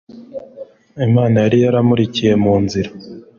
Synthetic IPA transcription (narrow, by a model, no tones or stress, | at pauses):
imaːnajaɾijaɾamuɾicije̞muːnziɾa